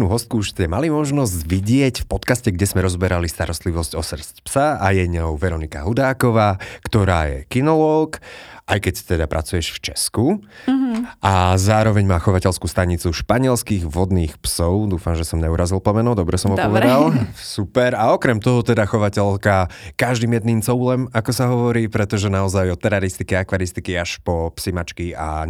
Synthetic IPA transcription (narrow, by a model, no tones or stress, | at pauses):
nuɦɔst̪̚kuuʃt͡sɪɛmalimɔʒnɔzɟʋiɟɪɛcfpɔt̪kascɛɡɟɛzmɛɾɔzbɛɾalist̪aɾɔst̪liʋɔscɔsr̩scpsaajɛɲɔʊʋɛɾɔnika̰ɦud̪aːkɔʋaːkt̪ɔɾaːjɛ̰kinɔlɔkʔajkɛct̪ɛd̪apɾʔa̰t͡sujɛʃft͡ʃɛsku | ʔazaːɾɔʋɛɲmaːxɔʋacɛʎskuːst̪aɲit͡suʃpaɲɪɛlskiɣʋɔd̪niːxpsɔʊd̪uːfamʒɛsɔmɲɛuɾazilˠplɔmɛnɔd̪ɔbɾɛsɔmɦɔpɔʋɛd̪alˠsupɛɾaɔkɾɛmt̪ɔɦɔt̪ɛd̪axɔʋacɛʎkakaʒd̪iːmjɛd̪niːmt͡sɔʊlɛmakɔsaɦɔʋɔɾiːpɾɛt̪ɔʒɛnaɔzajɔt̪ɛɾaɾist̪ikɛakʋaɾist̪ikiaʃpɔpsimat͡ʃkia̰